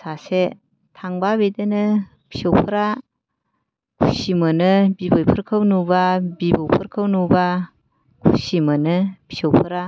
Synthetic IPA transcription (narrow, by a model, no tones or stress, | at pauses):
sase | tʰaŋbabedɯnɯ | b̥ʰi̥sowpʰɯɾa | kʰusimɯnɯbibɔjpʰɯɾkʰawnubabibowpʰɯɾkʰɯwnuba | kʰṵsimɯnɯbʰi̥sowpʰɯɾa